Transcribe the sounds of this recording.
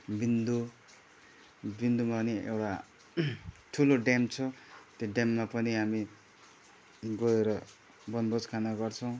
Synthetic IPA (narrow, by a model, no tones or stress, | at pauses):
bind̪u | bind̪umapʌniḛwʈa | ʈʰuloɖemt͡sʰʌt̪oɖemːapʌniɦami | ɡoeɾʌ | bʌnbʌd͡zkʰanaɡʌɾt͡sʰʌ̃w̃